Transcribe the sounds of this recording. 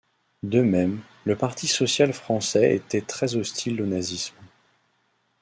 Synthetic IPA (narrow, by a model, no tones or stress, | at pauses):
d̪əmɛm | ləpaʁt̪isɔsjalfχɑ̃sɛḛt̪ɛt̪χɛzɔst̪ʰilonazism